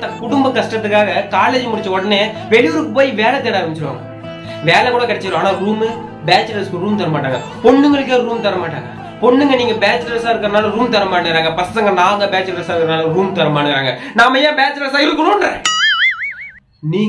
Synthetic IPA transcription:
ɐkʊɽʊmbɐkɐsʈɾɐt̪ːɯkːaːɣɐkaːleːd͡ʒmʊɽɪt͡ʃːɐɔɽɐneː | ʋɛɭɪʋʊɾɯkːɯpoːjiʋeːlɛt̪eːɽaːʋɐnt͡ʃɪɾɯʋa̰ːŋɡɐ | ʋeːlɛkuːɽɐkɐɽɛt͡ʃːɪɾõaːnaːɾuːmɯ | beːt͡ʃɾɐɾskɯɾuːmt̪ɐɾɐmaːʈːaːŋɡɐ | pɔɳːɯŋɡɐɭɯk̬ːeɾuːmt̪ɐɾɐmaːʈːa̰ːŋɡɐ̰ | pɔɳːɯŋɡɐniːŋɡɐbeːt͡ʃɾɐɾsaːɪɾɯkːɐɾɐnaːlɐɾuːmt̪ɐɾɐmaːɽɯɡɾaːŋɡɐpɐsɐŋɡɐnaːŋɡɐbeːt͡ʃɾɐɾsaːɪɐnaːlɐɾuːmt̪ɐɾɐmaːɽɯŋɡɪɾaːŋɡɐnaːmːɐjãːbeːt͡ʃɾɐɾs̬aːɪɾɯkːɐnõːnɾẽː | niː

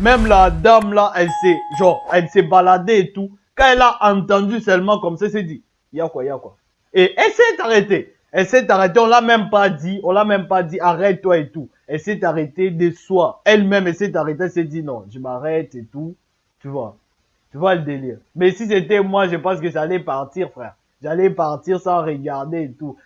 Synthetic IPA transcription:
mɛmlad̪amlaʔɛlsɛʒɔ̃ʁɛlsɛbalad̪eet̪u | kãɛlaʔɑ̃t̪ɑ̃d̪ysœlmɑ̃kɔmsaɛsɛd̪i | jakwajakwa | eʔɛlsɛt̪aʁet̪e | ɛlsɛt̪aʁet̪̬eɔ̃lamɛmpad̪iɔ̃lamɛ̃mpad̪iaʁɛt̚t̪ːwaet̪u | ɛlsɛt̪aʁet̪ed̪eswaɛlmɛ̃mɛsɛt̪aʁet̪̬eɛlsɛd̪inɔ̃ʒəmaʁɛt̪et̪u | t̪yvwa | t̪yvaləd̪eliːʁmɛsis̬et̪ɛmwaʒəpɑ̃skəʒalɛpaʁt̪iʁfχɛːʁ | ʒalɛpaʁt̪iʁsãʁəɡaʁd̪eet̪u

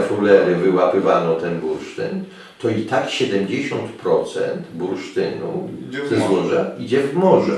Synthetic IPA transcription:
fulɛɾɘvɘwapɘvanɔt̪ɛnbuɾʂt̪ɘn | t̪ɔit̪akɕɛd̪ɛmd͡ʑeɕɔnt̪pɾɔt̪sɛ̰nt̪buɾʂt̪ɘnṵzɛzwɔʐaid͡ʑɛvɡmɔʐɛ

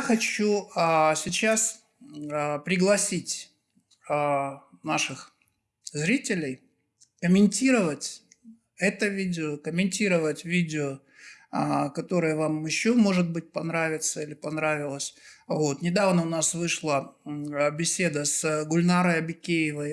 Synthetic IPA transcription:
xɐt͡ɕuəsʲɪt͡ɕas | əpɾʲɪɡlˠɐsʲitʲ | naʂɨx | zɾʲitʲɪlʲɪj | kəmʲɪnʲtʲiɾəvətʲ | ɛt̪əvʲidʲɪokəmʲɪnʲtʲiɾəvətʲvʲidʲɪo | əkɐt̪o̞ɾɨjəvamɪɕːomo̞ʐɨt̪̚bɨt̚ʲpɐnɾavʲɪt̪səilʲɪpɐnɾavʲɪlˠəsʲvo̞t̪nʲɪd̪avnəʊnasvɨʂlˠə | bʲɪsʲe̞d̪əsɡʊlʲnaɾəjɐbʲɪkʲejɪvəj

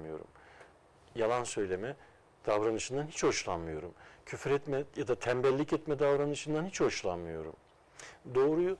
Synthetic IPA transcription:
mɯjo̞̰ɾṵm | jalˠansø̞jlʲe̞mɛ | d̪̥avɾanɯʃɯnd̪anhit͡ʃho̞ʃlˠanmɯjo̞ɾumcʰyfɾɛt̪mɛjad̪at̪ʰæmbɛlʲːicɛt̪mɛd̪avɾanɯʃɯnd̪anhit͡ʃho̞ʃlˠanmɯjo̞̰ɾṵm | d̪o̞ːɾuj

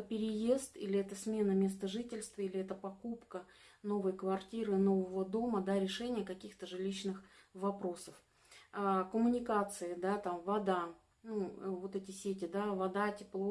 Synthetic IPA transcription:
pʲɪɾʲɪje̞st̪ilʲɪɛt̪əsmʲe̞nəmʲe̞st̪əʐɨtʲɪlʲst̪vəilʲɪɛt̪əpɐkupkəno̞vəjkvɐrtʲiɾɨno̞vəvəd̪o̞məd̪aɾʲɪʂɛnʲɪjəkɐkʲixt̪əʐɨlʲiɕnɨxvɐpɾo̞səf | kəmʊnʲɪkat̪sɨɪd̪at̪amvɐd̪a | nuvo̞t̪ɛtʲɪsʲetʲɪd̪avɐd̪atʲɪplˠo

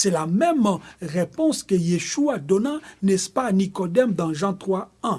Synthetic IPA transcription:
sɛlamɛmʁepɔ̃skəjeʃuad̪ɔnãnɛspanikɔd̪ɛmd̪ɑ̃ʒɑ̃t̪χwaɛ̃

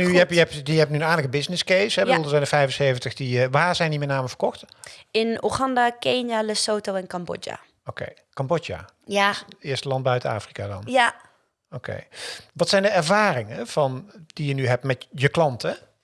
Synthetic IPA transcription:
nyjəɛpjəɛp̚tjəɛp̚nynaːləkəbɪznɪskejsɦɛbədulˠdəzɛjndəfɛjvənsejvəntəxdiəʋaːɹzɛjndimɛtnaːməvərkɔxtɪnṵχɑndakeːnaləsoːtowɛnkɑmbo̰d͡ʒa̰ | okḛj | kɑmbod͡ʒja̰ | ɪːɹstəlɑnt̚bœɥtəna̰ːfrikaːdɑ̰na | okʰḛjʋɑtsɛjndəɛɹvaːrɪŋəv̥ɑnd̥ijənyɦɛp̚mɛtjəklɑntɛ

